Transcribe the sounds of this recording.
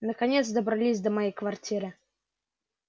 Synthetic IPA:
nəkɐnʲet̪s̬d̪əbɾɐlʲisʲd̪əmɐjejkvɐrtʲʰiɾɨ

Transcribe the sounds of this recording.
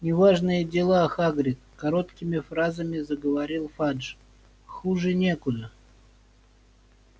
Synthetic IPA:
nʲɪvaʐnɨjədʲɪlˠaxaɡɾʲɪt̪kɐɾo̞t̪kʲɪmʲɪfɾazəmʲɪzəɡəvɐɾʲilˠfaʐ | xuʐɨnʲe̞kʊd̪ə

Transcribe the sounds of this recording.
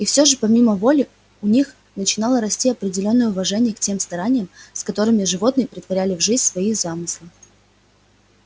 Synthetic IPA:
ifsʲoʐɨpɐmʲiməvo̞lʲɪ | ʊnʲix | nət͡ɕɪnɑlˠəɾɐsʲtʲiɐpɾʲɪdʲɪlʲo̞nːəjəʊvɐʐɛnʲɪjəktʲe̞mst̪ɐɾanʲɪjəmskɐt̪o̞ɾɨmʲɪʐɨvo̞t̪nɨjəpɾʲɪt̪vɐɾʲælʲɪvʐɨzʲnʲsvɐizamɨslˠɨ

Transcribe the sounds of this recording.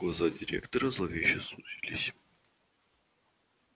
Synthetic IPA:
ɡˠɐzadʲɪɾʲekt̪əɾəzlˠɐvʲeɕəsutʲilʲɪsʲ

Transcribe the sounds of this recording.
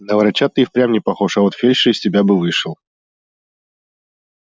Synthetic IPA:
nəvɾɐt͡ɕat̪ɨixpɾʲamnʲɪpɐxoʂɐot̪fʲelʲʂɨɪsʲtʲɪbʲabɨvɨʂɨlˠ

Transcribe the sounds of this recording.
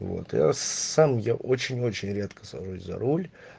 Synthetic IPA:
vo̰t̪ja̰samjaʔo̞t͡ɕɪnʲo̞t͡ɕɪnʲɾʲe̞t̪kə̥sɐʐusʲzɐ̰ɾolʲ

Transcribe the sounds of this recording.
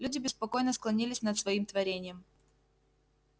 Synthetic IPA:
lʲudʲɪbʲɪspɐko̞jnəsklˠɐnʲilʲɪsʲnət̪svɐimt̪vɐɾʲenʲɪjəm

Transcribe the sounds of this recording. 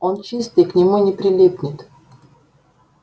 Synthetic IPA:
ont͡ɕist̪ɨjknʲɪmunʲɪpɾʲɪlʲipnʲɪt̪

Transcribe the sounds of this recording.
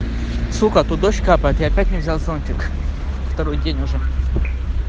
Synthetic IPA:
sukət̪ud̪oɕkapəjɪt̪iɐpʲætʲnʲɪvzʲalˠzonʲt͡ʃʲɪk | ft̪ɐɾojdʲenʲʊʐɛ

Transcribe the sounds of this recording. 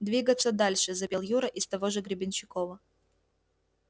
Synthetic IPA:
d̪vʲiɡət̪sːəd̪alʲʂɨzɐpʲelˠjuɾəʔɪst̪ɐvoʐɨɡɾʲɪbʲɪnɕɪkovə

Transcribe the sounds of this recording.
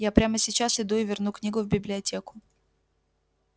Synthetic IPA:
japɾʲaməsʲɪt͡ɕasɪd̪uɪvʲɪrnuknʲiɡʊvbʲɪblʲɪɐtʲekʊ̥

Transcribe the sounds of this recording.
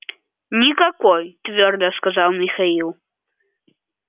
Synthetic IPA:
nʲikakʷojtʰvʲord̪ɐskazalˠmixailˠ

